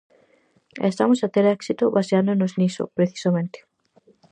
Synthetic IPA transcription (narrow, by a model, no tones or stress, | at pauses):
ḛst̪amosat̪eɾɛksit̪oβaseand̪onozniso̰pɾeθi̥samẽnt̪e̥